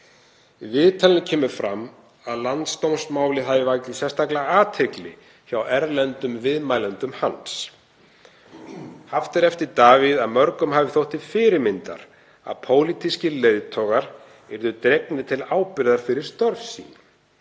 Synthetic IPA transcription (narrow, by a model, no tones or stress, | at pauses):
ivɪðt̪ʰaːlɪnɪcʰɛːmʏɾfɾamː | aðlant̪st̪owmsmaːwlɪθavɪvajk̪lɪ̥sjɛst̪aklaaːt̪ʰɛklɪ̰ | çawɛɾlɛnt̪ʏmvɪðmaːjlɛnt̪ʏmhans | haft̪ɪɾɛft̪ɪɾt̪aːviðaðmœɾkʏmhaːvɪθowht̪ɪ̥fɪːɾɪɾmɪnt̪a̰ɾ̥ | a̰ðpʰoːwlit̪iscɪleːjðt̪ʰɔɣaɾ̥ | ɛɾðʏt̪ɾejknɪt̪ʰɪlaːwpɪɾðaɾ̥fɪɾɪɾ̥st̪œɾfsḭːn